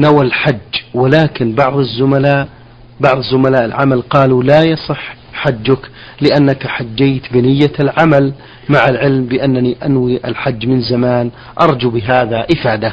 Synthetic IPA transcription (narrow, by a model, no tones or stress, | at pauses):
nawalħad͡ʒːwɪlaːkɪnbɑʕðˤɪzːʊmalaːʔ | bɑʕðˤɨzːʊmalaːʔɪlʕamalqɑːlulajɑsˤɨħ | ħad͡ʒːʊk | lɪʔanːakħad͡ʒːejt̪bɪnɪjːalʕamal | maʕalʕɪlmbɪʔanːaniʔanwiʔɪlħad͡ʒːmɪnzamaːn | ʔɑɾˤd͡ʒubɪɦaːðaʔɪfaːd̪a